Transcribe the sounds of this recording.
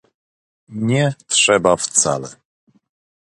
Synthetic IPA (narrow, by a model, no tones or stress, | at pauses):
ɲɛtʂɛbaft̪sa̰lɛ̰